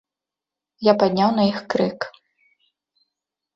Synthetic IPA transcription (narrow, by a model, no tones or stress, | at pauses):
japad̪ʲnʲawn̪ɐixkɾɨk